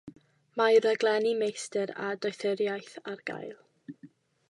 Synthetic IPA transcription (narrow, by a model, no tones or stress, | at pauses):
maɾəɡlˠɛnimejstɛɾa̰dɔɨθɪɾjajθarɡa̰jlˠ